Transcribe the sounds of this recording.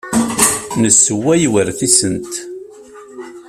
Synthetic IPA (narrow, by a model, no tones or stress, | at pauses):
nəsːəwːæjwəɾθisənt̪